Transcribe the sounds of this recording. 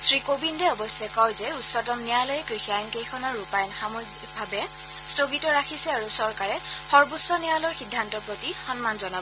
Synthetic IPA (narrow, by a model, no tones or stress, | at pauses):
sɹikobindɛɔbɔsɛkɔwzɛutsɔtɔmnijalɔjɛkɹixiajɔnkejkʰɔnɔɹːupajnxamok̚ | bʱabɛ | stoɡitɔɹakʰisɛaɹusɔɹkaɹɛxɔɹbusːɔnijalɔɹxidʱːantɔpɹotixɔnmanzɔnabɔ